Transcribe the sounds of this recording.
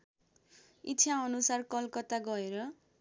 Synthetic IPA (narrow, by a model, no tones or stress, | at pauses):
itːt͡sʰaʌnusarkʌlkʌt̪aɡʌeɾʌ